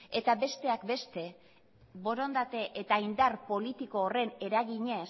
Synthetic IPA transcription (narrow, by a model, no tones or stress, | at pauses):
e̞t̪abe̞st̪e̞akbe̞st̪e̞ | βo̞ɾo̞nd̪at̪e̞ʔet̪aind̪arpo̞lit̪iko̞ːre̞ne̞ɾaɣiɲe̞s